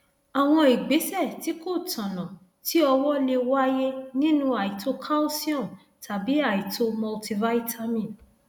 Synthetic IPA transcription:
a˨w̃ɔ̃˧i˨ɡ͡be˨˦sɛ˦˨ti˨˦ko˦˨tʰã˨nã˨ | ti˦ɔ˧wɔ˦le˧wa˦je˦nĩ˦nũ˦a˨i˨to˦kʰa˦o˦si˦ɔ̃˦˨n | tʰa˨bi˨˦a˦˨i˨to˦mɔ˧lti˧va˦i˦tʰa˦mĩ˦˨n

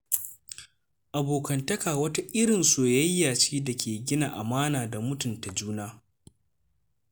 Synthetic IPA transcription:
ʔa˨boː˨kɐ˨ntɐ˦kaː˨wɐ˦ta˦ʔɪ˦ɾɪ˨nsoː˨jɐ˦jːaː˨t͡ʃiː˦da˨kʲʰeː˨ɡʲɪ˦na˨ʔa˨maː˦naː˨da˨mʊ˦tʊ˨nta˨d͡ʒuː˦naː˦

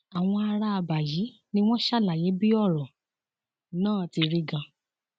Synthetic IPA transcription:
a˨w̃ɔ̃˧a˧ɾa˧a˧ba˨ji˨˦ | nĩ˦w̃ɔ̃˦ʃa˦˨la˨je˨˦bi˦ɔ˦˨ɾɔ̃˨ | nãː˦˨ti˧ɾi˧ɡã˧

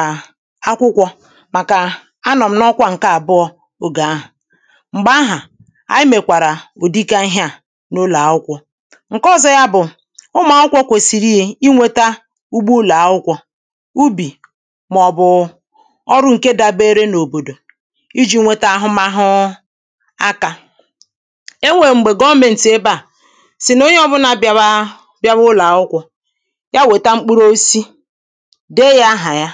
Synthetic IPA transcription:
a˦kʷʊ˦kʷɔ˦ | ma˨ka˨ | a˦nɔ˨m̩˦nɔ˦kʷa˦ŋ̩˨ka˦a˨bʊ˦ɔ˦ | o˦ɡa˨a˦ɦʊ˨ | ŋ͡m̩˨ɡ͡ba˦ɦa˨ | a̰˦ɪ˦me˨kʷa˨ɾa˨o˨di˦ka˦ɦja˦˨ | no˦la˨˦ʊ˦kʷɔ˦ | ŋ̩˨kɔ˦˨zɔ˦ja˦bʊ˨ | ʊ˦ma˨˦ʊ˦kʷɔ˦kʷo˨si˨ɾi˦e˦i˦ŋʷe˦ta˦ | u˦ɡ͡bu˦la˨a˨ʊ˦kʷɔ˦ | u˦bi˨ | m˨ɔ˨bʊ˨ | ɔ˦ɾʊ˦ŋ̩˨ke˦da˨be˦ɾe˦no˨bo˨do˨ | i˦d͡ʒi˦ŋʷe˦ta˦a˦ɦʊ˦ma˦ɦʊ˦ | a˦ka˨ | e˦ŋʷe˨ŋ͡m̩˨ɡ͡be˨ɡɔ˦me˨n̩˨te˦ba˦˨ | sɪ˨no˦ɲe˦ɔ˦bʊ˦na˨b | bja˦βʊ˦la˨ʊ˦kʷɔ˨ | ja˦we˨ta˦ŋ͡m̩˦k͡pu˦ɾo˦si˦ | de˦ja˦ɦa˨ja˦

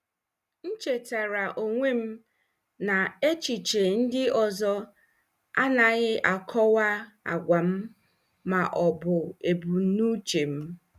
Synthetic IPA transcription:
n̩˦t͡ʃe˨ta˨ɾa˨ʔo˨ŋʷe˦m̩˦ | na˨e˦t͡ʃi˨t͡ʃe˨n̩˦dɪ˦ɔ˨zɔ˦ | a˦na˨ɣɪ˦ʔa˨kʰɔ˦wa˦ | a̰˨ɡʷa˨m̩˦ | ma˨ʔɔ˨bʊ˨e˨bu˨˦nu˦t͡ʃe˨m̩˦

